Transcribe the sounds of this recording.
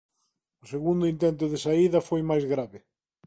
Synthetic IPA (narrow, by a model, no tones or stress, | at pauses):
ʊseɣund̪ʊint̪ɛnt̪ʊðɪsaiðɐfojmajzɣɾaβɪ